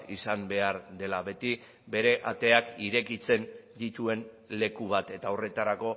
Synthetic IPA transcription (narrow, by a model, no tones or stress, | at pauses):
isambe̞aɾd̪e̞laβe̞t̪i | be̞ɾe̞ʔat̪e̞akiɾe̞kit͡se̞nd̪it̪ue̞n | le̞kuβat̪e̞t̪ao̞re̞t̪aɾako̞